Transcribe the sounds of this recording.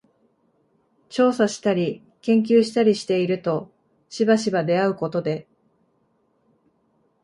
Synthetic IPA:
t͡ɕo̞ːsaɕi̥t̪aɾʲi | kẽ̞ŋk̬ʲɨːɕi̥t̪aɾʲiɕi̥t̪e̞iɾɯ̟t̪o̞ | ɕibaɕibad̪e̞aɯ̟ko̞t̪o̞d̪e̞

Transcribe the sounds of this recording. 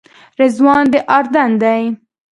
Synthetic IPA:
ɾɪzwɑnd̪əʔɑɾd̪and̪aj

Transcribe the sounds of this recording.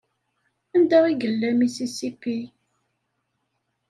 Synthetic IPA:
ænd̪æwiɡəlːæmisisikːi

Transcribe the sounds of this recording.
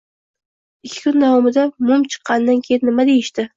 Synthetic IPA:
ɪkʲʰːɪ̥kʰʊnd̪avɒmɪd̪amʊmt͡ʃʰɨ̥qːɑnd̪ankʲʰejɪnːɪmad̪e̞jɪʃt̪ɪ

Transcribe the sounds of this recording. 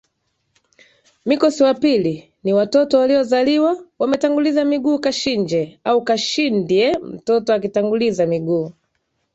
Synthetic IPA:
mikɔsiwapili | niwatɔtɔwaliɔzaliwawamɛtaŋɡulizamiɡuːkaʃind͡ʒɛaukaʃindiɛm̩tɔtɔakitaŋɡulizamiɡuː

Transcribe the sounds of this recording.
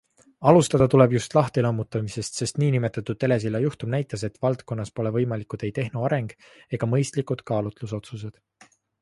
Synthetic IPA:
ɑlust̪ɑd̪̥ɑt̪ule̞bjust̪lɑht̪elɤmːut̪ːˑɑmise̞st̪se̞st̪niːnime̞t̪ːˑɑt̪ːˑud̪̥̚ːe̞le̞s̬ilɑjuht̪umnæjt̪ːˑɑset̪vɑlt̪ko̞nːɑspo̞le̞vɤjmɑlikˑud̪̥e̞jt̪e̞ɦnuɑɾe̞ŋɡ̥ | e̞ɡ̥ɑmɤ̞jst̪likˑud̪̥kɑːlut̪lus̬o̞t̪sus̬e̞d̪̥

